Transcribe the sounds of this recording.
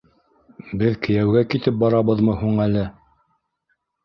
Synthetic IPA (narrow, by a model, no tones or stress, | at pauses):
bɘðkɘ̆jæwɡækit̪ɘp̚bɑɾɑβɤðmɤhuɴælɘ